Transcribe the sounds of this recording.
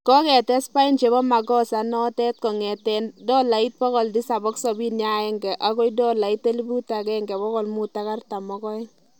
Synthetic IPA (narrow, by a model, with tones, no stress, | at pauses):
kɔ˦kɛ˨tɛ˦spa˦i˦nt͡ʃe˨bɔ˦ma˨ɡɔ˦sa˨nɔ˦tɛ˦t̚kɔ˨ŋɛ˨tɛndɔ˦la˨i˦t̚pɔ˦kɔ˨ldi˦sa˨bɔ˦ksɔ˨bi˦nja˦ɛ˦ŋɡɛ˨ʔa˦kɔ˦jdɔ˦la˨i˦tːe˦li˦bu˦ta˨kɛ˦ŋɡɛ˨bɔ˦kɔ˨lmu˦ta˦ka˦rta˨mɔ˦kɔ˦ɛ˦